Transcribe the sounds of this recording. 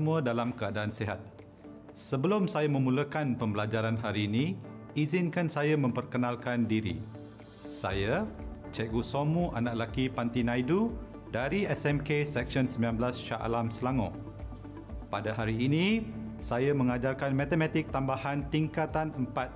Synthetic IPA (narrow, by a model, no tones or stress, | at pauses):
mũadalamkəadaanseɦat̪̚ | səbəlʊmsajamə̃mũləkanpəmbəlad͡ʒaɾanɦaɾiːniizɪnkansajamə̃mpərkənalkandiɾḭ | sa̰jat͡ʃɛɡusomuʔa̰naʔ̚lakipant̪inãjdu | daɾiɛsɛmkesɛkʃɔnsəmbilanbəlasʃa̰ʔa̰lamsəlaŋɔ̰̃ | padaɦaɾiːnĩsajamə̃ŋad͡ʒarkanmãt̪əmɛ̃t̪ɪk̚t̪ambahant̪iŋkat̪anəmpat̪̚